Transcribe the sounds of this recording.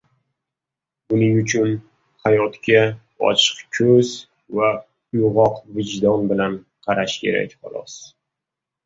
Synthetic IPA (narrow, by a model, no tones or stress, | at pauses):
bʊnɪŋʊt͡ʃʰʊn | hajɒt̪kʲʰa | ɒ̰t͡ʃʰɨ̥qkʲʰɵz | va | ʊjʊʁɒqvɪd͡ʒd̪ɒnbɪlan | qʰɑɾaʃkʲʰe̞̰ɾa̰kʲχɑ̰lˠɒ̰s